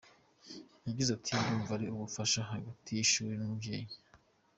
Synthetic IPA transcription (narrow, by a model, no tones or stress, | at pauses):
jaɟizatʰinduːɱvaɾeuβufaʃaɦaɡatʰijiʃuːɾenumubɟeːɲe